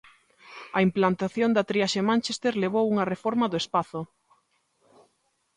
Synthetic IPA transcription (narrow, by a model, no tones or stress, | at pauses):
ɐimplant̪aθjond̪at̪ɾiaʃemãnt͡ʃest̪eɾleβ̞owuŋɐrefoɾmaðʊespaθʊ